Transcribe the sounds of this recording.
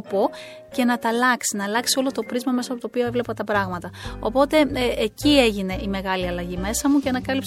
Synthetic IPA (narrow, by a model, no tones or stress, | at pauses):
po̞ | ce̞nɐt̪ɐlɐksinɐlɐksio̞lo̞t̪o̞pɾizmɐmesɐpo̞t̪opioe̞vle̞pɐt̪ɐpɾɐɣmɐt̪ɐo̞̰po̞t̪e̞ːcie̞ʝine̞ʔime̞ɣɐliɐlɐʝime̞sɐmucenɐkɐlips